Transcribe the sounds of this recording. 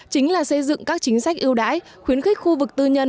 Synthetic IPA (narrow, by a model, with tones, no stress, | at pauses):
t͡ɕï˨˦ŋ̟laː˨˩sə˧jzɨ̰˧˨ŋkaː˦˥k̚t͡ɕï˨˦ŋ̟sa˦˥jk̟̚ʔi˧əwɗa̰ː˧˥j | xwi˨˦ənxi˦˥k̟̚xu˧vɨ˨˩k̚t̪ɨ˧ɲə˧n